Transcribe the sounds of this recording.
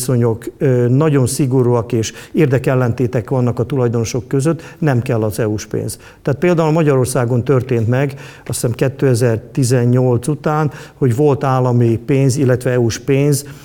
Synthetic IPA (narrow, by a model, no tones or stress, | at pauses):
so̞ɲo̞kːnɒɟo̞nsiɡo̞ɾuɒkeːʃeːrd̪ɛkɛlːɛnt̪eːt̪ɛkʋɒnːɒkɒt̪ulɒjd̪o̞no̞ʃo̞kːøzøt̪ːnɛmkɛlːɒzɛuʃpḛːnz | t̪aːt̪̚peːld̪aːulmɒɟɒɾo̞rsaːɡo̞nt̪ørt̪eːnt̪mɛɡ | ɒsɛmkɛt̪ːøɛzɛrt̪izɛɲɲo̞lt̪sut̪aːnho̞ɟʋo̞lt̪aːlːɒmipeːnzilːɛt̪ʋɛɛuʃpeːnz